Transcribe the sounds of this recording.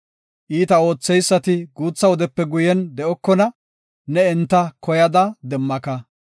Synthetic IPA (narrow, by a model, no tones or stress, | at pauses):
ʔiːt̪ɐo̞ːt͡sːɛjsːɐt̪ɪɡuːt͡sːɐwɔd̪ɛpːɛɡʊjɛnd̪ɛʔɔkːɔnɐ | nɛɛnt̪ːɐkʰɔjɐd̪ɐd̪ɛmːɐkɐ